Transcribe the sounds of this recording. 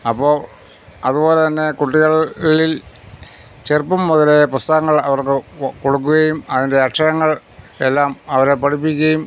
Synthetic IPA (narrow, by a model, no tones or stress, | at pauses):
ɐpːoː | ɐðubo̞ːlet̪ɐnːe̞kuʈːiɣɐɭːil | t͡ɕerpːumːɐðɐleprust̪ɐɣɐŋːɐɭɐʋɐrkɨko̞ɽuk̬ːuɣɐjumɐðinde̞ɐʈʂɐɣɐŋːɐɭ | e̞lːaːmɐʋɐɾepɐʈʰipːikʲːɐjum